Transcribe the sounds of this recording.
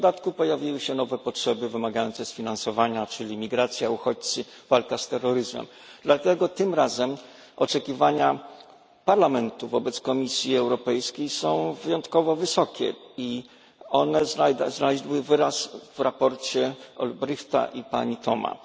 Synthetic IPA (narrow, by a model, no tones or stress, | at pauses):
ɔd̪at̪kupɔjavʲjiwɘɕɛnɔvɛpɔtʂɛbɘvɘmaɡajɔnt̪sɛsfʲinansɔvaɲat͡ʂɘlʲimʲiɡɾat̪sʲjauxɔt͡ɕt̪sɘ | valkast̪ɛrːɔɾɘzmɛ̰m | d̪̥lat̪ɛɡɔt̪ɘmɾazɛm | ɔt͡ʂɛkʲivaɲa | paɾlamɛnt̪uvɔbɛt̪skɔmʲisʲjiɛwɾɔpɛjskʲejsɔ̃w̃vɘjɔnt̪kɔvɔvɘsɔkʲɛ̰i | ɔnɛzaznalɛʑʲiwɘvɘɾasvɾapɔɾt͡ɕɛɔ̰lbɾɘxt̪a̰ʔipa̰ɲit̪ʰɔma̰